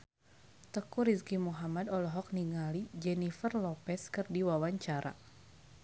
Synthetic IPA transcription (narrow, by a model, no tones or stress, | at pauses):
t̪əkuɾiskimuɦamadɔlɔɦɔk̚niŋalid͡ʒɛnifərlɔpɛskɨrdiwawaɲt͡ʃaɾa̰